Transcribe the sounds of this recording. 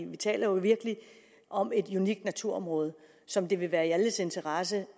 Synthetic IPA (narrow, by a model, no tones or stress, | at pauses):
ʋit͡sʰɛ̰ːlʔɐjo̝ʋiɐɡ̥əli | ʔɒ̽me̝d̥uniɡ̥d̥næt͡sʰuɐ̰ɒ̽mʁɔ̽ːð̞ˠ | sɒ̽md̥e̝ʋe̝ʋæːɐiæləse̝nt͡sʰɐʁɑs̬ə